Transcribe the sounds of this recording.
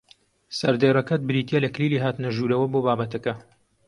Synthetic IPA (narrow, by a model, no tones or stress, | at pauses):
sɐɾd̪eːrɐkɐt̪̚bɨɾiːt̪jɛlɐkliːliːɦaːt̪ɨnɐʒuːɾɐwɐboːbaːbɐt̪ɐkɐ